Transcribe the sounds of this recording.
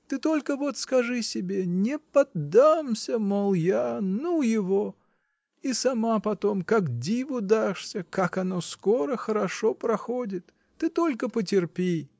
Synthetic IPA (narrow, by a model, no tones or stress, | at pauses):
t̪ɨt̪o̞lʲkəvo̞t̪skɐʐɨsʲɪbʲenʲɪpɐd̪amsʲəmɐlˠjanujɪvo | isɐmapɐt̪o̞mkakdʲivʊd̪aʂsʲəkakɐno̞sko̞ɾəxəɾɐʂo̞pɾɐxodʲɪt̪ː | ɨt̪o̞lʲkəpətʲɪrpʲi